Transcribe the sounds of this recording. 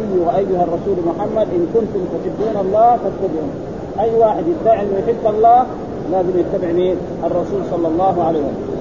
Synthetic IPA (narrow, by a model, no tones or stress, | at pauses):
jːʊhʔajːʊharˤːɑsuːlmʊħamːad̪ʔɪnkʊnt̪ʊmt̪aħɪbːuːnʔɑlˤːɑːhfat̪kʊb̪hʊm | ʔajːwaːħɪd̪jɪd̪aːʕɪlmħɪbt̪ɑlˤːɑːh | laːzɪmjɪt̪ːabɪʕni | ʔɑrˤːɑsuːlsˤɑlːɑlˤːɑːɦuʕalajwas